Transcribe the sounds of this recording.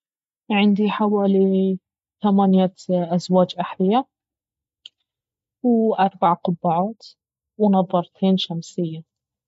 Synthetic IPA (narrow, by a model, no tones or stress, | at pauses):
ʕɪnd̪iħawaːli | θamaːnjaʔazwaːd͡ʒʔaħlɪja | wʔɑɾˤbaʕqʊbːaʕaːt̪ | wnɑðˤːɑɾˤt̪ʰeːnʃamsɪjːa